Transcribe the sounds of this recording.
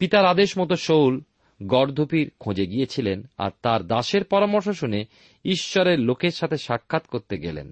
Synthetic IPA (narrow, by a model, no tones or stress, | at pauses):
pit̪aɾad̪eʃmɔt̪oʃowl | ɡɔɾd̪ʱupiɾkʰõd͡ʑeɡijet͡ɕʰilena̰ɾt̪aɾd̪aʃeɾpɔɾamoɾʃ̬oʃune | iʃːoɾeɾlokeɾʃat̪ʰeʃakʰːat̪koɾt̪eɡḛlḛn